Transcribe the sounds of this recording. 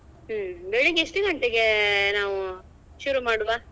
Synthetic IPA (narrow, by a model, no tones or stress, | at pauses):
beːɭiɡiʂʈɯɡɐɳʈ̪eɡenaːʋu | ʃuːɾumaːɽuʋaː